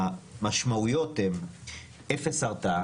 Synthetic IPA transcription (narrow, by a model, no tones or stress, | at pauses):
maʃmaujot̪em | efesaʁt̪a